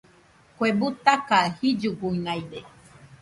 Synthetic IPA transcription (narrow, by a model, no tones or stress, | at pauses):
kwebut̪akahid͡ʒuɡuinajde